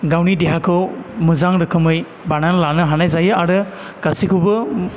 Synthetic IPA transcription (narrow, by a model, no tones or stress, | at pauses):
ɡawnideɦakʰɯwmɯzaŋɾɯkʰɯmɯj | bananlanɯɦanajzajɯaɾɯ | ɡ̥asikʰuwbɯ